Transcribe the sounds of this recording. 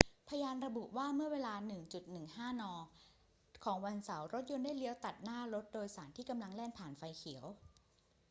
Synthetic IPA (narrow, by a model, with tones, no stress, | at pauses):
pʰa˧jaː˧nɾa˧bu˨˩ʔwaː˥˩mɯ˥˩ɐweː˧laː˧nɯ˨˩ŋt͡ɕu˨˩t̪̚nɯ˨˩ŋhaː˥˩nɔː˧ | kʰɔː˩˦ŋwa˧nsa˩˦wɾo˦˥t̪̚jo˧ndaː˥˩jli˦əwt̪a˨˩t̪̚naː˥˩ɾo˦˥t̪̚doː˧jsaː˩˦nt̪ʰiː˥˩ka˧mla˧ŋlɛː˥˩npʰaː˨˩nfa˧jkʰi˩˦əw